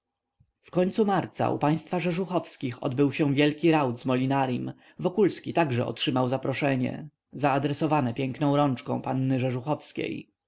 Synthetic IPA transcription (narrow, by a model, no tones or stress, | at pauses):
fkɔɲt̪sumaɾt̪sa̰ṵpaj̃st̪faʐɛʐuxɔfskʲixɔ̰d̪bɘwɕɛ̃vʲjɛlkʲiɾawd̪zmɔlʲinaɾjim | vɔkulskʲit̪aɡʐɛ̰ɔ̰tʂɘmawzapɾɔʂɛɲɛ̰ | zaːd̪ɾɛsɔvanɛpʲjɛŋknɔ̃w̃ɾɔnt͡ʂkɔ̰̃w̃panːɘʐɛʐuxɔfskʲḛj